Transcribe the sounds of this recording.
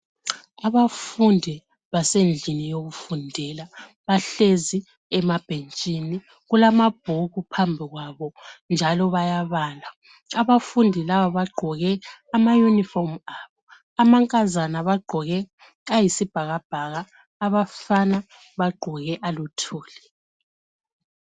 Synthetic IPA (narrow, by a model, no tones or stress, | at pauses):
aβafundʱi | βasend͡ɮʱinijoɣufundʱɛla | βaɬezi | ɛmab̥ʱent͡ʃʼini | ɣulamab̥̚ʱoɣupʰambʱiɣwaβɔnd͡ʒʱalɔβajaβaːla | aβafundʱilaβaβaɡ͡ǃʱɔɣɛamajunifɔrmaβɔ | amaŋkʼazanaβaɡ͡ǃʱɔɣɛ | ɣajisib̥ʱaɣab̥ʱaɣaː | βafana | βaɡ͡ǃʱɔɣɛʔalutʰuːlɛ